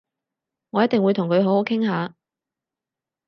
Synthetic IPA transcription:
ŋɔː˨˧jɐ˥t̪̚ɪ˨ŋwuː˨˧jt̪ʰʊ˨˩ŋkʰɵ˨˧ɥɦo˨˥who˨˧˥wkʰɪ˥ŋɦaː˨˧

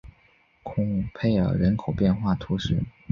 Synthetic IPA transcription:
kʰʊ˧˥ŋ˥pʰe˥˧˩ɪə̰˞˨˩ɻə˧˥nkʰo˨˩ʊpjɛ˥˧nxwa˥˩t̪ʰu˧˥ʂɻ̩˥˩

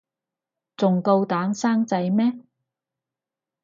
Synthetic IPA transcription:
t͡sʊ˨ŋko˧wt̪aː˨˥nsaː˥ŋt͡sɐ˨˥jmɛː˥

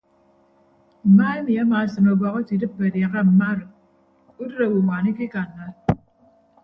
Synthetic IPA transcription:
m̩˨maː˦e˦mi˨a˦ma˨sɨ˨no˨bɔ˨ɣɔ˦ti˨dɨ˦p̚be˨dja˨ɣa˦m̩˨ma˦ɾɨ˨ | u˦dɾe˨wu˨ŋʷa˨ni˦ki˦ka˨nːa˦l

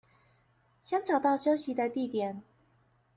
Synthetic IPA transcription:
ɕjɑ˥ŋʈ͡ʂɑ˨˩ʊt̪ɑ˥˩ʊɕjo˥ʊɕi˨˥d̪ə˧t̪i˥˨t̪jɛ˨˩˦n

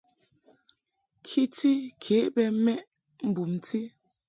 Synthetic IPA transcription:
kʰi˦ti˦kʰe˨˦ʔbɛ˦mɛ˦ʔ | m̩˦bu˨mti˦

